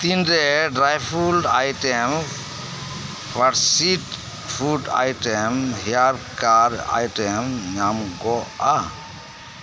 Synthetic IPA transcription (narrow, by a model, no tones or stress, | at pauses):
t̪inɾeɖɾajpʰulɖajʈem | pʰaɾsiʈ | pʰuɖa̰jʈɛmɦijaɾkaɾa̰jʈɛmɲamɡɔa